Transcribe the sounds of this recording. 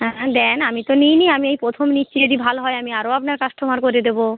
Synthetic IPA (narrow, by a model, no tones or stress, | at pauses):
ɦɛ̃d̪ɛnamit̪onijniamiejpɾot̪ʰomniʃt͡ɕied̪ibʱalɦɔeamiaɾoapnaɾkasʈʰomaɾkoɾed̪ebo